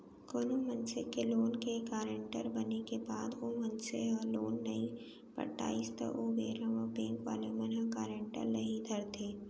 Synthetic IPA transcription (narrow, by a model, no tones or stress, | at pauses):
koːnomə̃nsekeloːnkekaːɾẽɳʈəɾbɐnekebaːd̪ʋomɐnseɔːloːnːɐĩ | pɐ̰ʈa̰ːist̪ə̰ʔobeːɾə̃ʋɔbẽːŋkʋa̰ːlemɐnɦəkaːɾẽɳʈə̰ɾnɐɦĩd̪ʱəɾt̪ʰeː